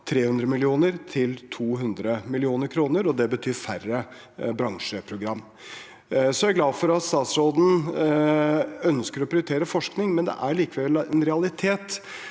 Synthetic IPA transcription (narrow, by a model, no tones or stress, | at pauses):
t̪ʰɾeːhʉnd̪ɾəmɪlɪuːnəɾt̪ʰɪlt̪ʰuːɦʉnd̪ɾəmɪlɪuːnəɾkʰɾuːnəɾɔd̪ɛbət̪ʰyːɾfærə | bɾɑŋʂəpʰɾʊɡɾɑmː | sɔjæɾɡlɑːd̪fɔɾɑt̪st̪ɑːt̪sɾoːd̪n̩ | œnskəɾɔpʰɾɪʊɾt̪ʰeːɾəfɔʂknɪŋmɛnd̪ɛ̰ʔæɭiːkəʋɛɛnɾɛɑlɪt̪ʰeːt̪